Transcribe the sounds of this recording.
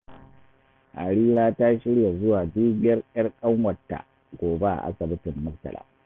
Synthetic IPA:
ʔa̰˨ɽiː˦ɾaː˦ta˦ʃɪ˦ɽja˨zʊ˦waː˨diː˦bɪ˦jɐ˦rʔɐ˦rkʼɐ˦ŋwɐ˨tːa̰˨ | ɡʷoː˨be˦ʔa̰˨ʔa̰˦sɐ˨bɪ˦tɪ˨mːʊ˦ktɐ̰˨lʔa̰ː˨

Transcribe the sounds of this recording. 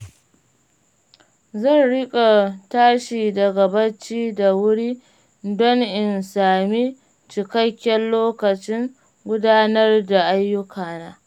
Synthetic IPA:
zɐ˦˨nɽɪ˦kʼa˨taː˦ʃiː˨dɐ˨ɡɐ˨bɐ˦t͡ʃiː˦da˨wʊ˦ɽiː˦ | dɔ˦ŋʔɪ˨nsaː˨miː˦ | t͡ʃɪ˨kɐ˦kʲːɛ˦nloː˦kɐ˨t͡ʃɪ˦ŋ | ɡʷʊ˦daː˦nɐ˦rda˨ʔa˦jːʊ˦kʰaː˨naː˦

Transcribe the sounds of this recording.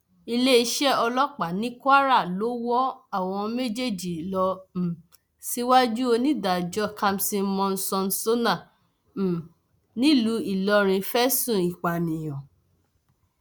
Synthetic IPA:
i˧le˦i˧ʃɛ˦ɔ˧lɔ˦k͡pa˨nĩ˨˦kwa˦ɾa˦˨lo˨˦wɔ˦a˦˨w̃ɔ̃˧me˦d͡ʒe˦˨d͡ʒi˨lɔ˧m̩˨ | si˦wa˦d͡ʒu˦o˧nĩ˦da˨d͡ʒɔ˦ka˧msĩ˧˦mɔ̃˧n̩˦sɔ̃˧n̩˦so˦nã˦˨ | nĩ˦lu˨˦i˦˨lɔ˧ɾ̃ĩ˧fɛ˦sũ˦˨i˨k͡pa˨nĩ˨j̃ɔ̃˨

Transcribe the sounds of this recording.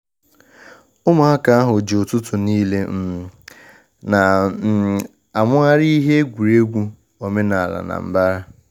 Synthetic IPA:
ʊ˦ma˨ɦa˦ka˨a˦ɦʊ˨d͡ʒe˨ʊ˨tʊ˦tʊ˨niː˦le˦m̩˦˨ | na˨˦˨ | a˨mʊ˦a˦ɾi˦i˦ɦe˦e˦ɡʷu˨ɾe˦ɡʷu˦ | o˨me˦na˨a˨la̰˨na̰˨m̩˨˦ba˦ɾa˦

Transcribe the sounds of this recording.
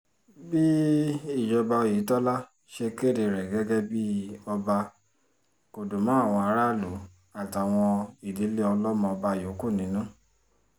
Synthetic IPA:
bi˦i˦˨d͡ʒɔ˧ba˧o˧˨ji˨˦tɔ˦la˦ | ʃe˧ke˦˨de˨ɾɛ˨ɡɛ˨˦ɡɛ˦bi˦ɔ˧ba˧ | ko˨do˨mã˦a˦˨w̃ɔ̃˧a˧˦ɾa˦˨lo˨˦ | a˦˨ta˨w̃ɔ̃˧i˨di˨˦le˦ɔ˧lɔ˦mɔ̃˧ɔ˧ba˧˨jo˨˦ku˦˨nĩ˨˦nũ˦

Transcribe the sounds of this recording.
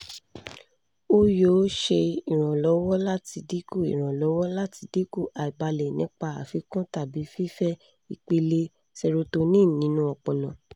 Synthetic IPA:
o˦jo˨˦ʃe˧i˨ɾ̃ã˨lɔ˨˦wɔ˦la˦ti˧di˦ku˦˨ḭ˨ɾ̃ã˨lɔ˨˦wɔ˦la˦ti˧di˦ku˦˨a˨i˨ba˧lɛ˨nĩ˦k͡pa˧a˨fi˨˦kɔ̃˦ta˦˨bi˨˦fi˦fɛ˦ | i˨k͡pe˧le˧ | sɛ˧ɾo˧to˧nĩ˦˨nĩ˨˦nũ˦ɔ˧k͡pɔ˨lɔ̃˨

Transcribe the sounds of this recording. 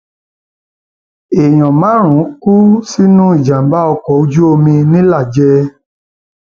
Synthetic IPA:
e˨j̃ɔ̃˨mã˨˦ɾ̃ũ˨˦ku˦si˦nũ˦i˦˨d͡ʒã˨m˨ba˦ɔ˧kɔ˨o˧˦d͡ʒu˦o˧mĩ˧nĩ˦la˦˨d͡ʒɛ˧

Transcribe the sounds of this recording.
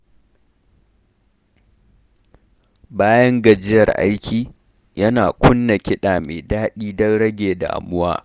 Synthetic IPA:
baː˦jɐ˦ŋɡɐ˨d͡ʒɪ˦jɐ˨rʔa̰˦jkʲʰiː˨ | jɐ˦naː˨kʷʊ˦nːa˨kʲɪ˦ɗaː˨me˨daː˦ɗiː˦dɐ˦nɽɐ˦ɡʲeː˨da̰ː˨ʔa̰˨mʊ˦waː˦

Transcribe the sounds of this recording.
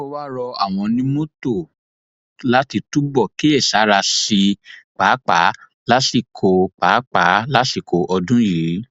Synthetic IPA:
o˧wa˦ɾɔ˧a̰˨w̃ɔ̃˧nĩ˦mo˦to˦˨ | la˦ti˧tu˦bɔ˦˨ki˦e˦˨sa˨˦ɾa˧si˧k͡paː˨˦k͡pa˨˦ | la˦si˦˨kʰo˨˧k͡pa˨˦k͡pa˨˦la˦si˨ko˧ʔɔ˧dũ˦ji˨˦

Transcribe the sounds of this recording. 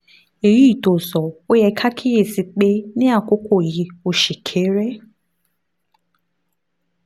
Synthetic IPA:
e˨ɾi˦˨to˨zɔ˨o˦je˦kʰa˦kʰɪ˦ɣe˨si˨k͡pe˦nɪ˦a˨kʷʊ˦kʷo˨ɣi˨o˨ʃi˨kʰe˦ɾe˦

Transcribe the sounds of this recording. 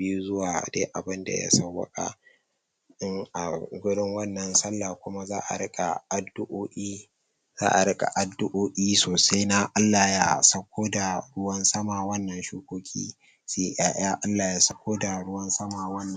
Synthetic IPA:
i˦ju˦zʊ˦waː˨de˦ʔa˨bɪ˦nda̰˨ja̰˦sɐ˦˨wɐ̰˦kʼa̰˨ | ʔɪ˦ŋʔa̰˨ɡʷʊ˦ɽɪ˦ŋwɐ˦nːɐ˨nsɐ˦lːaː˨kʷʊ˦ma˦zaː˦ʔa̰˨ɽɪ˦kʼa˨ʔa˨dʊ˦ʔoː˦ʔʲiː˦ | za̰ː˦ʔa˨ɽɪ˦kʼa̰˨ʔa˨dʊ˦ʔoː˦ʔiː˦soː˨sa˦jna˦ʔa˦lːaː˨ja˦sɐ˦kʷʰoː˦da˨ɽʊ˦wɐ˦nsɐ˦maː˨wɐ˦nːɐ˨nʃuː˦kʷoː˦kʲḭː˦ | si˦˨ʔaː˨j̰aː˦ʔa˦lːaː˨ja˨˦sɐ˦kʷoː˦da˨ɽʊ˦wɐ˦nsɐ˦maː˨wɐ˦nːɐ˦

